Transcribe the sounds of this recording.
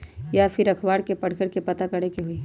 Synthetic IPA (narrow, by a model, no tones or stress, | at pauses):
japʰɪɾɐkʰbaːɽkepɐɽ̤kəɽkepɐt̪akɐɽekeɦʊiː